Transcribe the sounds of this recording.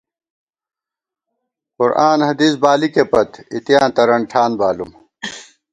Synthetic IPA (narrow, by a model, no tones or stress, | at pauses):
qʊɾʔaːnhɐd̪iːsbaːlikepɐt̪it̪jãːnt̪ɐɾɐɳʈʰaːnbaːlum